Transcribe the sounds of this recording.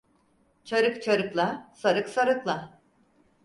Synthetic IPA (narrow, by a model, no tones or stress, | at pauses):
t͡ʃʰaɾɯkt͡ʃʰaɾɯklˠasaɾɯksaɾɯklˠa